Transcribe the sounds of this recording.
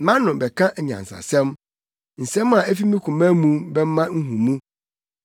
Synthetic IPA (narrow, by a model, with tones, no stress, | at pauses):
mã˦nʊ̃˨bɛ˨kʰã˦ʔɲã̰˨n̩˨sa̰˨sɛ̃˦m | n̩˨sɛ̃˦ma˨æ˦fi˦mĩ˦kʰʊ̃˨mæ̃˦mũ˦˨bɛ˦m˦mã˦ŋ̩˦ɦũ˨mũ˦